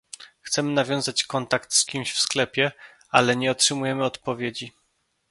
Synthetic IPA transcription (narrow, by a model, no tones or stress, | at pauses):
xt̪sɛmɘnavʲjɔ̃w̃zat͡ɕkɔnt̪akt̪skʲimɕfsklɛpʲjɛ | alɛɲɛɔtʂɘmujɛmɘɔt̪pɔvʲjed͡ʑi